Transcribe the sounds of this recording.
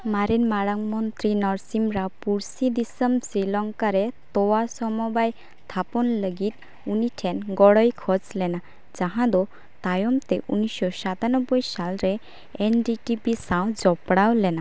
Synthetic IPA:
maɾinmaɽaŋmɔnt̪ɾinɔɾsimɾapuɾsid̪isəmsɾilɔŋkaɾet̪owasɔmɔbaj | t̪ʰapɔnləɡit̪̚ | uniʈʰɛnɡɔɽɔjkʰɔd͡ʒlɛna | d͡ʒaɦãd̪ɔ | t̪ajɔmt̪eʔunɔjsɔsat̪anɔbːɔjsalɾe | enɖiʈipisaw̃d͡ʒɔpɽawlɛna

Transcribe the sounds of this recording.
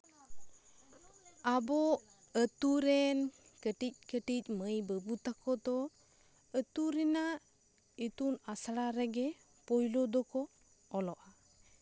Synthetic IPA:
abɔ | ət̪uɾɛnkəʈic̚kəʈic̚məjbəbut̪akʰɔd̪ɔ | ət̪uɾina | it̪unasaɽaɾɛɡɛ | pɔjlɔd̪ɔkɔː | lɔʔa

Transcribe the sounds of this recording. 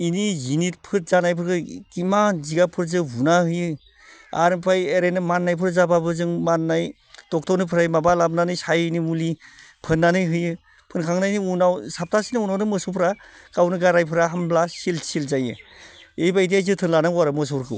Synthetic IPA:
inizinit̚pʰɯt̚zanajpʰɯɾkɯkimaziɡapʰɯɾzɯbunahɯjɯ | a̰ɾɯmpʰajeɾenɯmanːajpʰɯɾzababɯzɯŋmanːaj | tɔk̚tʰɔwnɯpʰɯɾajmabalab̚nanɯjsajnimuli | pʰɯnːanɯjɦɯjɯ | pʰɯnkʰaŋnajniunawsap̚tʰasinɯunawnɯmɯsupʰɾa | kawnɯɡaɾajpʰɯɾaɦamblasilsilzajɯ̰ejbajdijajzɯtʰɯnlanaŋwaɾɯmɯs̬uɾkʰɯ̰w

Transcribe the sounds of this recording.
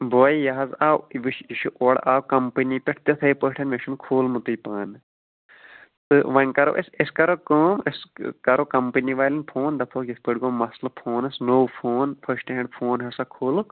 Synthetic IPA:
boːjijɐɦɐzaːwʋiʃiʃuʔoːɽaːwkɐmpɐnipeʈʰt̪ɐt̪ʰɐipəʈʰɐnmeʃunkʰoːlmut̪ɨjpaːn | t̪ɨʋɐnʲkɐɾo̰ʔeseskɐɾoːkɐːmeskɐɾokɐmpɐniʋaːlʲinpʰoːnd̪ɐpʰoːkjipəɖɡomɐslɐpʰoːnɐsnowpʰoːnpʰɐʃʈɦẽɳɖpʰoːnɦɐsakʰoːl

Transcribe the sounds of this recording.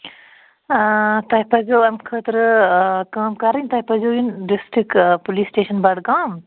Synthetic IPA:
t̪ɐipɐzoːɐmkʰət̪ɾkaːmkɐɾɐnʲt̪ɐɦpɐzoːjinɖisʈɾikpuliːsʈeːʃɐnbɐɽɡãːm

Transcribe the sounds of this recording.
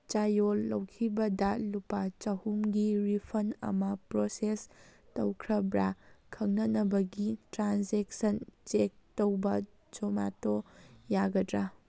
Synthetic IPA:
t͡ʃajolːɐwkʰibɐdɐlupat͡ʃɐhumɡiɾipʰɐnɐ̰mɐpɾosestɐwkʰɾɐbɾakʰɐŋnɐnɐbɐɡitɾanseksɐnt͡ʃek̚towbɐ | d͡ʒomatojaɡɐdɾa

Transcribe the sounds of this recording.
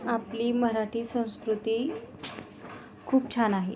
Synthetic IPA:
apliːməɦɾaʈʰiːsə̃w̃skɾut̪iː | kʰuːp̚t͡ɕʰanaɦe

